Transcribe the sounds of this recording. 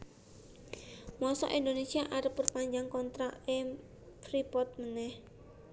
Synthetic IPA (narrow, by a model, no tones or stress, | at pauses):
mɔsɔ̰ʔind̪onesiaʔaɾəpːərpaɲd͡ʒaŋkɔnt̪ɾaɛm | fɾipɔt̪̚mənɛh